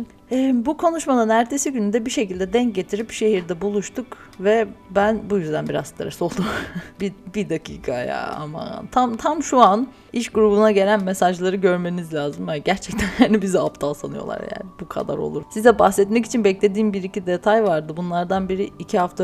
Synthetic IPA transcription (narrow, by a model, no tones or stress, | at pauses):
ɛbukʰo̞nuʃmanɯnæɾt̪ʰe̞siɟynyd̪ɛbiʃe̞cilʲd̪ɛd̪ɛɲc̚ɟe̞t̪ʰiɾipʃe̞ɦiɾd̪ɛbulˠuʃt̪ʰuk | vɛbænbujyzd̪ænbiɾa̰zt̪ʰaɾaso̞lˠd̪umbibid̪akʰḭːkʰaja̰a̰ma̰t̪ʰamt̪ʰamʃuan | iʃɡuɾubunaɟe̞lʲænmesaʒlˠaɾɯɟø̞ɾme̞nizlʲaːzɯmaaɟæɾt͡ʃʰɛc̚t̪ʰænjaːnibizɛapt̪ʰalˠsanɯjo̞̰lˠa̰ɾja̰ːnɪbukʰa̰d̪a̰ɾo̰lˠuɾsizɛbahsɛt̪mɛc̬i̥t͡ʃʰinbɛclʲe̞d̪iːnbiɾicid̪et̪ʰajvaɾd̪ɯbunlˠaɾd̪anbiɾiːcʰihaft̪ʰa